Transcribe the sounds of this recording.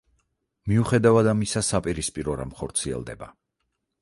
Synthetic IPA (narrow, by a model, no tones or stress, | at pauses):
miuχɛd̪avad̪amisasapʼiɾispʼiɾɔɾa̰mχɔɾt̪sʰiɛ̰lˠd̪ɛ̰ba̰